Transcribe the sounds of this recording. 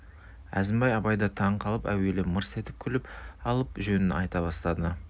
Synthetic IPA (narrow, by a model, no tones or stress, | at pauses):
æ̰zɪmbɑjɑbɑjd̪ɑt̪ʰɑɴqʰɑlˠəpæ̰we̞lɪməɾse̞t̪ɪ̥p̚kʲʰʏlɪpɑlˠəpʒɵnɪnɑ̰jt̪ɑbɑst̪ɑd̪ə